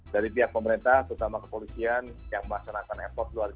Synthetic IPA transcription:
daɾipiɦak̚pəməɾint̪aht̪əɾut̪amakəpolisianjaŋməlaksanakanɛ̰pɔrt̪̚luar

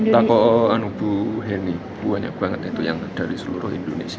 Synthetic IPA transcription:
t̪akɔʔanub̥uɦenibuaɲa̰ɡuaŋat̪iŋt̪ujaŋd̥aɾisəlṵɾʊhḭndonḛsia

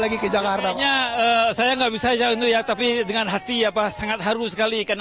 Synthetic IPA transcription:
laɡikəd͡ʒakart̪aɲaəsajaŋɡaʔbisat͡ʃaint̪ujat̪apidəŋanɦat̪iapasaŋat̪̚ɦaɾʊsə̥kalikan

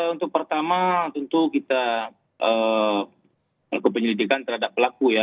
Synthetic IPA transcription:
əunt̪ʊk̚pərt̪amat̪ənt̪ukit̪a | ə | lakupəɲəlidikant̪ərhadapːəlakuja

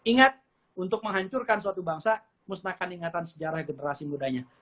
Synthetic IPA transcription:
iŋat̪̚ | unt̪ʊk̚məŋɦaɲt͡ʃʊrkansuat̪ubaŋsa | musnakaniŋat̪ansəd͡ʒaɾahɡənəɾasimudaɲa

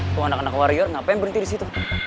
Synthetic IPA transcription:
t̪uanakanakwaɾijɔrŋapajŋbənt̪idisit̪u

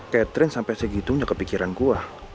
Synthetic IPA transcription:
kɛt̪ɾɪnsampɛsəɡit̪uɲakəpikiɾankua

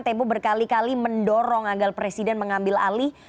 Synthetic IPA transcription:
t̪ɛmpɔbərkalikaliməndɔɾɔŋaɡalpɾesidɛnməŋambɪla̰li

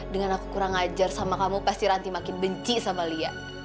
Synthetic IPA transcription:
dəŋanakukuɾaŋad͡ʒarsamakamupast̪iɾant̪imakɪnbəɲt͡ʃisamaliaʔ

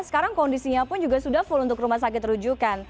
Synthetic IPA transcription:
sə̥kaɾaŋkɔndisiɲapʊnd͡ʒuɡasudahfʊlunt̪ʊkrumahs̬akɪt̪ːɾud͡ʒukan

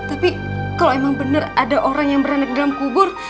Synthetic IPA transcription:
t̪api | kaloemaŋbənəradaʔoɾaŋjaŋbəɾanak̚dalamkubʊr

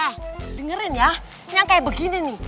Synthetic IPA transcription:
adəŋəɾɪnja | ɲaŋkaibəɡinini

